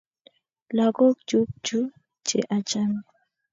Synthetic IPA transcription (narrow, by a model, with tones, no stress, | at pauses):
la˨ɡɔ˦kd͡ʒu˦k̚d͡ʒu˦ | t͡ʃḛ˨ʔa˨t͡ʃa˦m˦